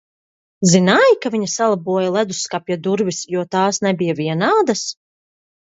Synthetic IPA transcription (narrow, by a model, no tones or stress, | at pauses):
zinaːjkaviɲasalˠabuɔjalˠæd̪usːkapjad̪uɾvisjuɔt̪aːsnɛbijaviɛnaːd̪as